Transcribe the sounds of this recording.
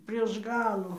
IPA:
pʲrʲiɛʃ ˈɡɑːlˠʊ

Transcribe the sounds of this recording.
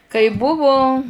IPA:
kɐɪ ˈbʊʋʊ

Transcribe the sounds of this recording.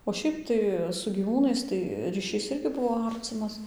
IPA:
oː ˈʃʲɛɪp tɐɪ sʊ ɡʲiːˈʋuːnɐɪs tɐɪ rʲiːˈʃʲiːs ˈɪrʲɡʲɪ ˈbʊʋoː ˈɐrʲt͡sʲɪmɐs

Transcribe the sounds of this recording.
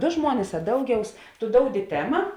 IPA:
ˈdoː ˈʒmuɔnʲɪs ɐ ˈdɐʊˌɡʲɛʊs tʊ ˈdoːʊdʲɪ ˈtʲæːmɐ

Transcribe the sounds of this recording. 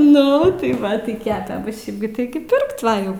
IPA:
nʊ tɐɪ ˈʋɐ tɐɪ ˈkʲæːpʲɛ ˈbʊ ˈʃʲɛɪp ɡʲɪ ˈtʲɪɡʲɪ ˈpʲɪrkt ˈʋɐ jɛʊ

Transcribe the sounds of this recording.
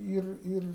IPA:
ˈiːr ˈiːr

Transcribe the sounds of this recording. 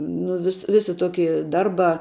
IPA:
ˈnʊ ʋʲɪs ˈʋʲɪsʲɪ ˈtoːkʲɪ ˈdɐrˌbɑː

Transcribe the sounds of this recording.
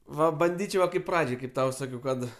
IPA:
ˈʋɐ bɐnʲˈdʲiːt͡ʃʲɛʊ ˈʋɐ kɐɪp ˈprɑːd͡ʒʲɛɪ kɐɪp ˈtɐʊ ˈsɑːkʲɛʊ ˈkɐt

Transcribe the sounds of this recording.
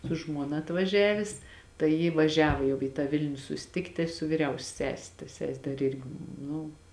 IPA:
sʊ ˈʒmuɔnɐ ɐtʋɐˈʒʲæːʋʲeːs tɐɪ ˈjɪ ʋɐˈʒʲæːʋoː jɛʊ iː tɑː ˈʋʲɪlʲnʲʊ sʊsʲɪˈtʲɪktʲɪ sʊ ʋʲɪˈrʲɛʊsʲɛ ˈsʲæːsʲɛ tɐ ˈsʲɛsʲ ˈdɐr ˈɪrʲɡʲɪ ˈnʊ

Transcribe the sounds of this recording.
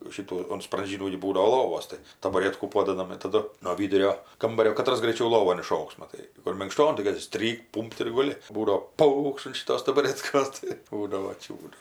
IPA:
ˈʃʲiːtuː ʊn sprɐnʲˈʒʲiːnuː ɡʲɪ ˈbuːdɐʋoː ˈlˠoːʋoːs tɐɪ tɐbɐˈrʲeːtkuː ˈpoːdɐdɐm ɪr tɐˈdʊ noː ˈʋʲiːdʊrʲoː ˈkɐmbɐrʲoː kɐˈtrɐs ɡrɐɪˈt͡ʃʲɛʊ ˈlˠoːʋoːn ɪˈʃoːks mɐˈtɐɪ kʊr mʲɪŋkˈʃtoːn tɐɪ ˈkɐt tʲɪk ˈsʲtʲrʲiːkt ˈpuːmpt ɪr ɡʊˈlʲɪ ˈbuːdoː ˈpɐʊkʃt ɐn ʃʲɪˈtoːs tɐbɐˈrʲæːtkoːs tɐɪ ˈbuːdɐʋoː ˈt͡ʃʲuːdʊ

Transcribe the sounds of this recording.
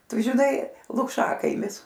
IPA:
ˈtʊ ʒʲɪˈnɐɪ lˠʊkˈʃɑːkɐɪmʲɪs

